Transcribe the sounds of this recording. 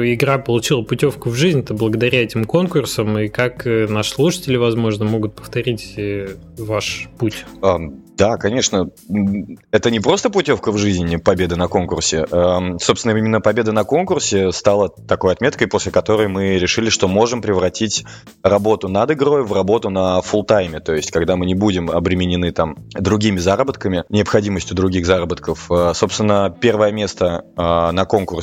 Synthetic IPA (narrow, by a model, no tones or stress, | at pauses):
ɪɡɾapəlˠʊt͡ɕilˠəpʊtʲo̞fkʊvʐɨzʲnʲɛt̪əblˠəɡəd̪ɐɾʲæɛtʲɪmko̞nkʊrsəmɨkaknaʂslˠuʂə̥tʲɪlʲɪvɐzmo̞ʐnəmo̞ɡʊt̪̚pə̥ft̪ɐɾʲitʲ | vaʂputʲad̪akɐnʲe̞ʂnə | ɛt̪ənʲɪpɾo̞st̪əpʊtʲo̞fkəvʐɨizʲnʲpɐbʲe̞d̪ənɐko̞nkʊrsʲɪʔasopsʲɪnəimʲɪnːəpɐbʲe̞d̪ənɐko̞nkʊrsʲɪst̪ɑlˠət̪ɐko̞jɐt̪mʲet̪kəjpo̞sʲlʲɪkɐt̪o̞ɾəjmɨɾʲɪʂɨlʲɪʂt̪o̞mo̞ʐɨmpɾʲɪvɾɐtʲitʲ | rɐbo̞t̪ʊnɐd̪ɨɡɾo̞jvrɐbo̞t̪ʊnəfʊlˠt̪ajmʲɪt̪o̞jɪsʲtʲkɐɡd̪amɨnʲɪbudʲɪmɐ̰bɾʲɪmʲɪnʲɪnɨt̪amd̪ɾʊɡʲimʲɪzaɾəbət̪kəmʲɪnʲɪəpxɐdʲiməsʲtʲʊd̪ɾʊɡʲixzaɾəbət̪kəfəso̞pst̪vʲɪnːəpʲe̞rvəjəmʲe̞st̪əanɐko̞nkʊrs